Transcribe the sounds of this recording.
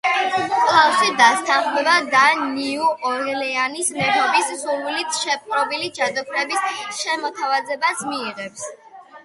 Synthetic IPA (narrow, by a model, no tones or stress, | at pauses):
kʼlˠasid̪ast̪ʰanχmɛbad̪aniuʔɔɾɣɛlɛanismɛɾɔpʼissuɾwilit̪ʰʃɛp̚ʼqʼɾɔbilid͡ʒad̪ɔpʰɾɛbisʃɛmɔt̪ʰavazɛbasmiːʁɛps